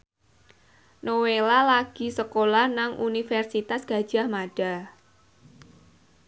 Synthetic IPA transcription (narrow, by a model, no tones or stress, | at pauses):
nowelalaɡ̥i̤səkolahnaŋʔunifɛrsit̪asɡ̥a̤d̥ʒ̥a̤hmaɖ̥a̤